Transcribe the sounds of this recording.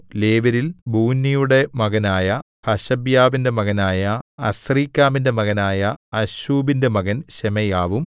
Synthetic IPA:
le̞ːʋɐɾilbʱuːnːijuɽe̞mɐɣɐnaːjɐ | hɐɕɐbjaːʋinde̞mɐɣɐnaːjɐɐɕriːkʲːaːminde̞mɐɣɐnaːjɐɐɕuːbinde̞mɐɣɐnɕemɐjaːʋum

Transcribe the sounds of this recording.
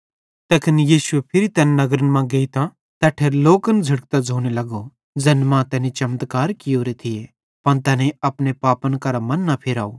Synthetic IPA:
t̪ɛːkʰɐnjiːsʊepʰɪɾit̪ɛːnnɐɡɾənmãɡeit̪ã | t̪ɛːʈʰeːɾloːkənd͡zʱɐɽk̚t̪ad͡zʱoːɽ̃elɐɡo | d͡zɐnmãt̪ɛːnĩt͡ʃɐmt̪kaːɾkɪjoːɾet̪ʰɪje | pɐɽ̃t̪ɛːneɐpɽepaːpənkɐɾamɐ̃nːɐpʰɪɾaːo

